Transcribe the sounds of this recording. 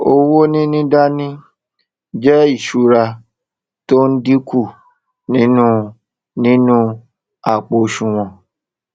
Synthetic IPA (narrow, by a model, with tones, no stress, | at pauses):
o˧wo˦nĩ˦nĩ˦da˦nĩ˦ | d͡ʒɛ˦i˦˨ʃu˨ɾa˧ | to˦n̩˦di˦kʰu˦˨ | nĩ˦nũ˦ | nĩ˦nũ˦ | a˦˨k͡po˧ʃũ˧w̃ɔ̃˧